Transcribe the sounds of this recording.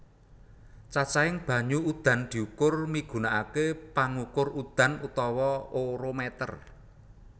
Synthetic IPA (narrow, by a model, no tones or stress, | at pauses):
t͡ʃat͡ʃaɪŋb̥ä̤ɲuud̪̥ä̤nd̪̥i̤ukʊrmiɡ̥ṳnaʔakepaŋukʊrud̪̥ä̤nut̪ɔwɔoɾomɛt̪ə̰r